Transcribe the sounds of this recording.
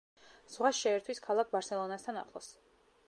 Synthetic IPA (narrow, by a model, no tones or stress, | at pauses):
z̥ʁwasʃɛːɾt̪ʰwiskʰalˠak̚ʰbaɾsɛlˠɔnast̪ʰana̰χlˠɔ̰s